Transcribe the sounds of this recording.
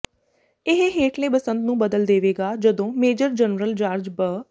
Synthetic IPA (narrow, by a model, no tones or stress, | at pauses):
ɪɦeɦeːʈʰleːbəsənd̪nũːbəd̪əld̪eːʋeːɡaːd͡ʒəd̪õːmeːd͡ʒəɾd͡ʒənɾəld͡ʒaːɾd͡ʒbə